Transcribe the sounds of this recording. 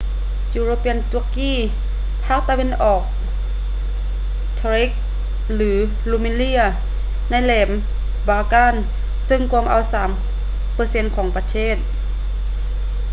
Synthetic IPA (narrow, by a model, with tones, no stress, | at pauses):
juː˧ɾoː˧pi˧˩ə˨nt̪u˧kiː˥˨ | pʰaː˥˩k̚t̪a˧we˧˥˨nʔɔː˨˩k̚ | t̪ʰa˧ɾi˦˥k̚ | lɯː˩˦ | lu˧˨mi˧˨nli˧˥ɐ | na˧˥˨jlɛː˩˦m | baː˧kaː˧˥˨n | sɯ˧˩ŋkʰu˧əmʔa˧˥wsaː˩˦m | pɤː˧se˧˥nkʰɔː˩˦ŋpa˧t̪ʰeː˥˩t̪̚